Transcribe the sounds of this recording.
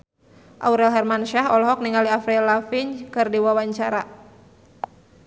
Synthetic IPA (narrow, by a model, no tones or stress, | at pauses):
ʔa̰uɾɛlɦɛrmanʃaɦɔlɔɦɔk̚niŋaliafɾɛlafiɲkɨrdiwawaɲt͡ʃaɾa